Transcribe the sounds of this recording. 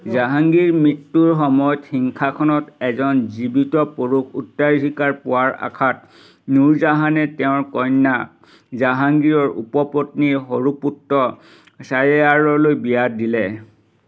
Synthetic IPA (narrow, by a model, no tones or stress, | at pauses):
zaɦaŋɡiɹmitːuɹxɔmɔjɔtxiŋkʰakʰɔnɔtɛzɔnzibitɔpoɹukʰutːaɹɦikaɹpʊwaɹa̰kʰat̚ | nuɹzaɦanɛtɛʊ̃ɹkɔjnːa | zaɦaŋɡiɹɔɹṵpɔpotniɹɦoɹuputːɔ | sajeaɹɔlojbijadilɛ